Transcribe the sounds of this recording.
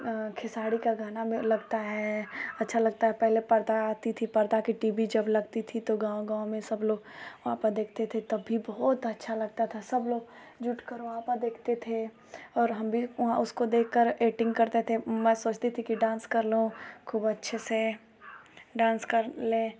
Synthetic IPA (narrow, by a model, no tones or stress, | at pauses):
kʰɪsaːɽikaɡaːnamẽlɐɡt̪aɦɛɐtːʃʰalɐɡ̚t̪aɦɛpɛɦlepɐɾd̪aːt̪it̪ʰipɐɾd̪akiʈiːbid͡ʒɐblɐɡt̪it̪ʰit̪oɡãːõɡãːmẽsɐbloːɡʋɐɦãpɐɾd̪eːkʰt̪et̪ʰet̪ɐbʱːibɔːt̪ɐtːʃʰalɐɡ̚t̪at̪ʰasɐbloːɡ | d͡ʒʊʈkɐɾoʋɦãpɐɾd̪eːkʰt̪et̪ʰe | ɔːɾɦɐmbʱiʋɐɦãʊskod̪eːkʰːəɾeːʈɪ̃ŋɡkɐɾt̪et̪ʰemɛ̃ːsoːt͡ʃt̪et̪ʰikiɖãːnskɐɾlɦõkʰuːbɐtːʃʰese | ɖãːnskɐɾlẽː